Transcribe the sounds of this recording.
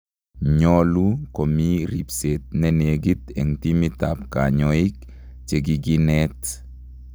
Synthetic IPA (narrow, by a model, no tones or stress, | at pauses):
ɲɔlukomiɾipset̪̚nɛneɡit̪ḛŋtimit̪ap̚kaɲɔik | t͡ʃeɡiɡinɛt